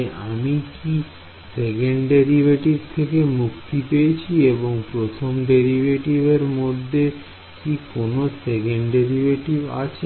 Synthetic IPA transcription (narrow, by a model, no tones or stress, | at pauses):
amiki | sekeɳɖɖeɾibeʈibt̪ʰekemukt̪ipejet͡ɕʰieboŋpɾot̪ʰomɖeɾibeʈibeɾmod̪ʱːe | kikonosekeɳɖeɾibeʈiba̰t͡ɕʰe